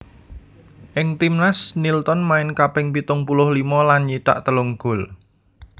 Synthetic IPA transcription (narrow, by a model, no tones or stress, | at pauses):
ʔɪŋt̪imnasnilt̪ɔnmaɪnkapɪŋpit̪ʊŋpulʊhlimɔlanɲiʈ̪a̰ʔt̪əlʊŋɡ̥ʊ̤l